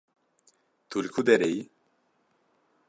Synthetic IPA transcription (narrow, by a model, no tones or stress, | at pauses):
t̪ʰulkʰud̪ɛɾej